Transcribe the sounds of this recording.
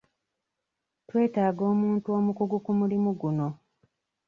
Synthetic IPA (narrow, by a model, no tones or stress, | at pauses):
twe̞ːtaːɡo̞ːmuːntuo̞ːmukuɡukumulimuɡuno̞